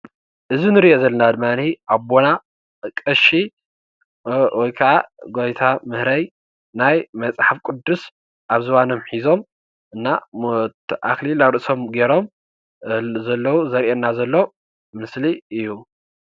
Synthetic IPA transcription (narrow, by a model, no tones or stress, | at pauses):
ʔɨzinɨɾiʔozɐlːɐnad̪ɨmːaniʔaβbo̞na | kʼɐʃi | wɔjkʰɐʕaɡojt̪ʰamɨhɾɐj | najmɐt͡sʼħafkʼʊd̪ːus | ʔaβzɨwano̞mħizo̞m | ʔɨnːa | ʔa̰klilaβɾɨʔso̞mɡeɾo̞m | zɐlːɐwuzɐɾʔenːazɐlːo | mɨsliɨjːu